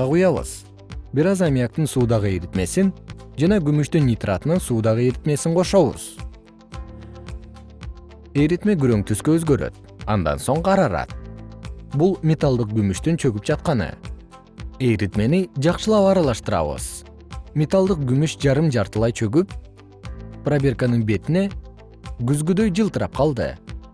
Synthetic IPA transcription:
ɑʁujɑβɯ̰z̥ | biɾɑzamʲijak̚t̪ɯnsuːd̪ɑʁɯejɾit̪me̞sind͡ʒɑnɑɡymyʃt̪ynːʲit̪rʔat̪ɯnɯnsuːd̪ɑʁɯeɾit̪me̞siɴqʰo̞ʃo̞βṵz̥ | ejɾit̪me̞ɡyɾø̞ŋt̪ʰyskøːzɡø̞ɾø̞̰t̪̚ | ɑ̰nd̪ɑ̰nso̞ɴqʰɑɾɑɾɑ̰t̪̚ | bulˠmʲet̪alˠd̪ɯq̚ɡymyʃt̪ynt͡ʃʰø̞ɡyp̚d͡ʒɑt̪qɑnɯ̰ | ejɾit̪me̞nid͡ʒɑqʃɯlˠɑpɑɾɑlˠɑʃt̪ɯɾɑ̰βɯ̰z̥ | mʲet̪alˠd̪ɯq̚ɡymyʃd͡ʒɑɾɯmd͡ʒɑɾt̪ɯlˠɑjt͡ʃʰø̞ɡyp | prabʲe̞rkanɯnbe̞t̪ine̞ | ɡyzɡyd̪ø̞jd͡ʒɯlˠt̪ɯɾɑp̚qʰɑlˠd̪ɯ̰

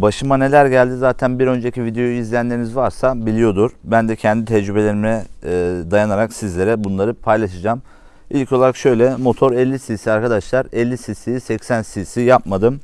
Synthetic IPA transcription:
baʃɯmane̞lʲæɾɟælʲd̪izaːt̪ʰænbiɾø̞nd͡ʒeecʰivid̪e̞joizlʲijænlʲeɾinizvaɾsabilʲijo̞d̪uɾbænd̪ɛcʰɛnd̪it̪ʰɛd͡ʒɾybe̞lʲe̞ɾimiɛd̪ajanaɾaksizlʲe̞ɾɛbunlˠaɾɯpʰajlˠaʃɯd͡ʒaːm | ilʲcʰo̞lˠaɾakʃø̞jlʲɛmo̞t̪ʰo̞ɾɛlʲːisisiaɾkʰad̪aʃlˠaɾɛlʲːisisisɛcsænsisijap̚mad̪ɯm

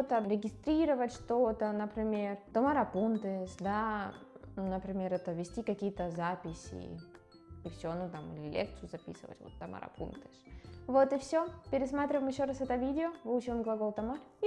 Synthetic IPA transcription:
t̪əɾʲɪɡʲɪst̪ɾʲiɾəvətʲʂt̪ot̪ənəpɾʲɪmʲe̞rt̪ɐmaɾɐpunt̪ɨsd̪a | nəpɾʲɪmʲeɾɛt̪əvʲɪsʲtʲikɐkʲijət̪əzapʲɪsʲɪ̰ | ifsʲoɐnut̪amilʲɪlʲḛk̚t̪sɨjʊzɐpʲḭsɨ̰və̰tʲvo̰t̪ːɐma̰ɾɐ̰pʰṵnt̪ɨsvot̪ɨfsʲopʲɪɾʲɪsmat̪ɾʲɪvəmjɪɕːoɾasɛt̪əvʲidʲɪovɨlʊt͡ɕɪvəmɡlˠɐɡolˠt̪ɐmaɾʲ

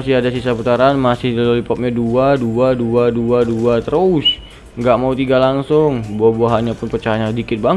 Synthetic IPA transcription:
asɪhadasisaput̪aɾanmasɪhdialolipɔp̚ɲaduaduaduaduaduat̪əɾus | ŋɡaʔmaut̪iɡalaŋsʊŋbuahbuaɦaɲapʊnpərt͡ʃajaɲadikɪt̪̚baŋ

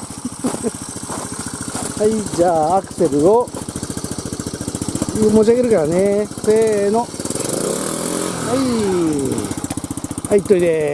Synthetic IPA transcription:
haid͡ʑaːakɯ̟̥se̞ɾɯ̟o̞ | mo̞t͡ɕiaɡe̞ɾɯ̟kaɾaneseno | hai | hait̪ːoid̪e

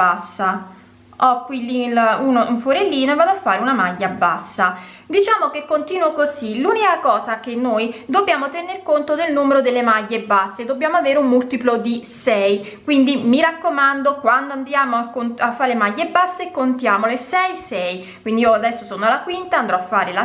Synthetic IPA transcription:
asːa | ɔkːwilːilunouɱfoɾelːiːnovaːd̪oafːaːɾeunamaʎːabːa̰sːa | d̪it͡ʃaːmokekːont̪iːnwokoziluːnikakɔːzakenːojd̪obːjaːmot̪ɛnerkont̪od̪elnuːmeɾod̪elːemaʎːebasːeːd̪obːjaːmoaveːɾeummult̪iplod̪isɛj | kwind̪imiɾakːomand̪okwand̪oand̪jaːmoakonafːaːɾelemaʎːebasːekːont̪jaːmolesɛjsɛj | kwind̪iiːoad̪ɛsːosoːnoalakwint̪aːnd̪ɾɔafːaːɾela

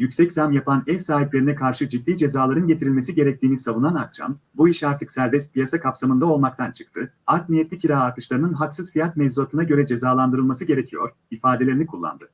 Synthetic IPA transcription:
jycsɛczamjapʰanɛfsaːɦiplʲe̞ɾinɛkʰaɾʃɯd͡ʒid̪ːiːd͡ʒe̞zaːlˠaɾɯnɟet̪ʰiɾilʲme̞siɟe̞ɾɛc̚t̪ʰiːnisavunanakt͡ʃa̰mbuiʃaɾt̪ʰɯksæɾbɛst̪̚pijasakʰapsamɯnd̪ao̞lˠmak̚t̪ʰant͡ʃʰɯ̥k̚t̪ʰɯaɾknijet̪lʲiciɾaːɾt̪ʰɯʃlˠaɾɯnɯnɦaksɯz̥fijat̪mɛvzuat̪ʰɯnaɟø̞ɾɛd͡ʒe̞zaːlˠand̪ɯɾɯlˠmasɯɟe̞ɾecʰijo̞̰ɾ | ifaːd̪e̞lʲeɾinikʰulˠːa̰nd̪ɯ

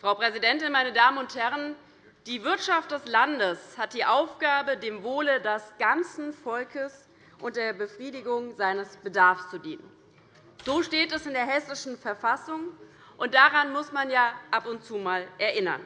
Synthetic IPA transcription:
fʁ̥aʊpʁ̥ɛzidɛntɪnmaɪnədaːmənʊnthɛʁ̞ən | d̥iːvɪɐtʃaft̚d̥ɛslandəshat̚d̥iːʔaʊfɡ̥aːbədeːmvoːlədɛsɡ̥ant͡sn̩fɔlkʰəs | ʔʊnt̚d̥eːɐbəfʁ̥iːdɪɡʊŋzaɪnəsb̥ədaɐfst͡sudiːnən | z̥oːʃteːtɛsɪndeːɐɦɛsɪʃn̩fɛɐfasʊŋ | ʔʊnt̚d̥aʁanmʊsmanjaːʔapʊntt͡suːmaːlʔɛɐʔɪnɐ̰n

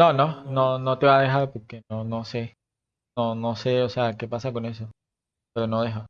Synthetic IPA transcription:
nonõnonot̪eβaðeɦaɾpoɾkenonose | nonoseoseakepasakones̬o | peɾonoðeɦo

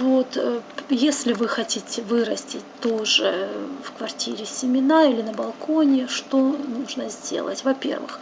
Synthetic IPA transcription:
vo̞t̪jesʲlʲɪvɨxɐtʲitʲɪvɨɾəsʲtʲɪtʲt̪oʐɨfkvɐrtʲiɾʲɪsʲɪmʲɪnailʲɪnəbɐlˠkonʲɪʂt̪o̞nuʐnəzʲdʲḛlˠə̰tʲvɐpʲe̞̰rvɨ̰x

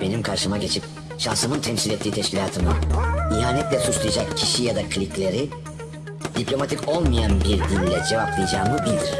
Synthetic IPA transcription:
be̞nimkʰaɾʃɯmaɟe̞t͡ʃʰip̚ | ʃansɯmɯnt̪ʰɛmsilʲɛt̪ʰːiːt̪ʰɛʃcʰilʲaːt̪ʰɯmɯiɦaːnɛt̪lʲɛsut͡ʃlˠajad͡ʒakcʰiʃijad̪akʰlʲiklʲe̞ɾi | d̪̥iplʲo̞mat̪ʰico̞lˠmajanbiɾd̪ilʲːɛd͡ʒe̞vaplˠɯjad͡ʒaːmɯbilʲd̪ɾ̥

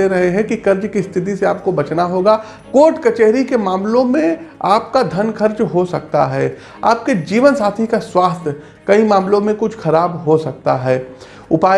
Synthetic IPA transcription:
eɾɐɦeɦɛ̃kixɐɾd͡ʒkist̪ʰɪt̪̬iseaːp̚kobɐt͡ʃnaɦoːɡaː | koːɾʈkɐt͡ʃeːɦɾikemaːmlõmẽaːp̚kad̪ʱɐnkʰɐɾd͡ʒɦosɐkt̪a̰ɦɛː | a̰ːp̚ked͡ʒiːʋənsaːt̪ʰikaswaːst̪ʰ | kɐimaːmlõmẽkʊt͡ʃʰxɐɾaːbɦosɐk̚t̪aɦɛː | ʊpaː

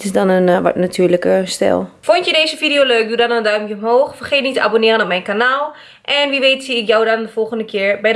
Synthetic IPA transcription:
tɪsdɔnənʋɔ̰tnatʰyːɹləkəstɛ̰lˠfʊntjədeːzəfidioløɥk̚dudɔnəndœɥmjəɔmɦoːxfərχetnitəabonɪːrənɔp̚mɛjnkanaːlˠ | ʔɛnʋiʋeːtsiɪkjawdɔndəfɔlˠxəndəkʰɪːɹbɛj

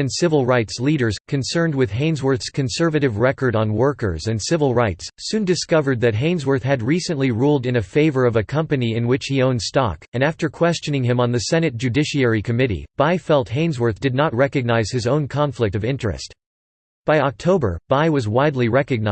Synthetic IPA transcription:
ɨ̃nsɪvl̩ˠɹaɪtsliɾə˞z̥kʰɨ̃nsɜ̃˞nd̚wɨð̥ɦẽɪ̃nzwə˞θskʰɨ̃nsɜ˞vɨɾɨvɹɛkə˞ɾn̩wɜ˞kə̰˞zɨ̃nsɪvl̩ˠɹaɪtssʉ̃ndɨskʌvə˞d̪̚ðɨt̚ɦẽɪ̃nzwə˞θɦɨd̚ɹisɨ̃nʔliɹulˠdɨ̃nɨfeɪvə˞ʌvɨkʰʌ̃mpɨniɨ̃nwɨt͡ʃhiõʊ̃nd̥stɑ̰kɨ̃næftə˞kʰw̥ɛst͡ʃɨ̃nɪ̃ŋɨ̃mə̃nðɨsɛnɨt̚d̥ʒ̥ʉdɪʃiɛɹikʰɨmɪɾḭb̥aɪfɛlˠt̚ɦẽɪ̃nzwə˞θd̥ɨdⁿnət̚ɹɛkɨɡ̚naɪz̥ɨzõʊ̃nkʰɑ̃ɱflɨk̚tʌvɪ̃nt͡ʃɹ̥ɨ̰st | b̥aɪɑk̚tʰoʊbə̰˞b̥aɪwʌzwaɪdˡliɹɛkɨɡ̚na

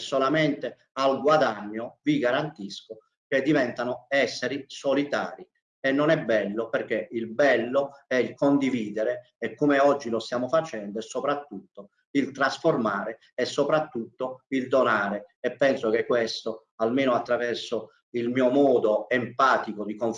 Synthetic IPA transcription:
sːolamɛnt̪e | alɡwad̪aɲːoviɡaɾant̪isko | k̟ed̪ːivɛnt̪anoɛsːeɾisolit̪a̰ːɾi | ɛnːonɛbːɛlːoperk̟ːeilbɛlːoɛilkond̪iviːd̪eɾeː | kːomeɔd͡ʒːilost̪jaːmofat͡ʃɛnd̪oɛsopɾat̪ːut̪ːo | ilt̪ɾasformaːɾe | ɛsːopɾat̪ːut̪ːoild̪onaːɾeɛpːɛnsok̟ekːwest̪o | almeːnoat̪ːɾavɛrso | ilmiːomɔːd̪oempaːt̪ikod̪ikoɱ

